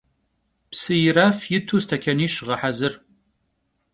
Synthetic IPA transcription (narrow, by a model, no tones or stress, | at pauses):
psɨjɪɾafjɪtʰuːstʰɐkʲʰɐniːʃʁɐħazɨr